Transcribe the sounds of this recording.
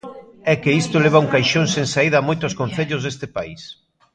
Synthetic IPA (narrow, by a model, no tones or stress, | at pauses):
ɛkɪist̪oleβ̞ɐuŋkajʃõŋseŋsaiðɐːmojt̪ʊskon̟θeʎʊzðest̪ɪpaḭs